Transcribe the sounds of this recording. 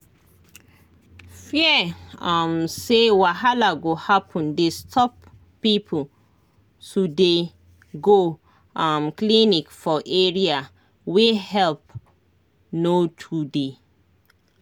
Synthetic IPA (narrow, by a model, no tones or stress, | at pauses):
fiamsewaɦalaɡohapʰɔ̃ndestʰɔpː | ipʰol | tude | ɡo | amklinikfɔʔɛɹia | wehɛlp̚ | notʰude